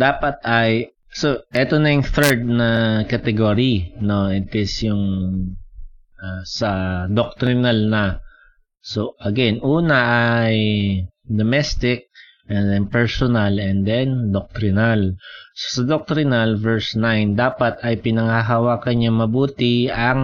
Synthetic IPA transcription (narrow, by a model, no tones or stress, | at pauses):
d̪aːpɐt̪̚ɐj | soʔɛt̪onɐjʊŋθɛɹd̪̚nɐkɐt̪ɛɡoɾino̞ɛt̪ɪsjʊŋ | ʔasɐd̪ok̚t̪ɾɪnalnɐ | so̞ʔɐɡɛnʔuːnɐʔaj | d̪omɛst̪ɪk̚ | ʔɛnd̪ɛnpɛɹsonɐlɛnd̪ɛnd̪ok̚t̪ɾɪnalso̥sɐd̪ok̚t̪ɾɪnɐlvɛɹsnajnd̪aːpɐt̪ɐjpɪnɐŋaɦɐwaːkɐɲɐŋmɐbuːt̪ɪɐŋ